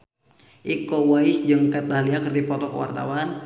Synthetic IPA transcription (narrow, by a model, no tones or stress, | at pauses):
ʔikɔwaisd͡ʒəŋkat̪̚baɦliakərdipɔt̪ɔkəwa̰rt̪a̰wan